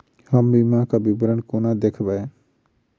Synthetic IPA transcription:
həmbimãkabibɾənkonad̪ekʰbae

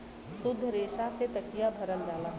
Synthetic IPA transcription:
sʊd̪ʱːəɾeːʃaset̪ɐkijabʱɐɾənd͡ʒaːla

